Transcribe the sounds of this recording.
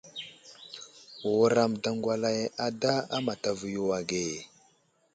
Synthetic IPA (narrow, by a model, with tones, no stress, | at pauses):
wɾa˨mda˨ŋɡʷwa˦la˨ja˨da˦a˦ma˨ta˨və˨ju˨wa˨ɡe˨